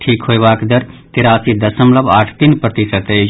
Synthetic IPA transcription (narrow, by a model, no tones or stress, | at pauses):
ʈʰiːkɦoeʋaːkd̪ɐɾt̪ɪɾaːsid̪ɐsəmlɐbaːʈʰt̪inpɾɐt̪isət̪e